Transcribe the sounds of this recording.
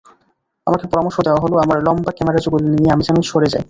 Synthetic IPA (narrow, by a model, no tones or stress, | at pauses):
amakepɔɾamoɾʃod̪eoaɦoloamaɾlɔmbakɛmeɾad͡ʑoɡulniieamid͡ʑanoʃʰoɾed͡ʑa̰j